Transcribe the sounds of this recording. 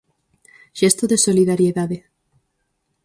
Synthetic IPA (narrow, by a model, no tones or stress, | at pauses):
ʃest̪oðesoliðaɾjeðaðe